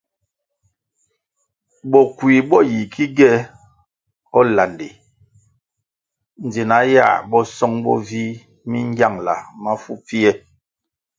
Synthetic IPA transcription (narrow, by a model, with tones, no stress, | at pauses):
ɓɔ˨kwi˨ɓɔ˦˨ji˨kʰi˦ɡɛ˦ | ɔ˦la˨nde˨ | n˨d͡ze˨na˨˦ja̰˦˨ɓɔ˦sɔ˦ŋɓɔ̰˦vi˦ | mi˦ŋ˦ɡja˦˨ŋla̰˨ma˦fu˦p͡fi˦ɛ˦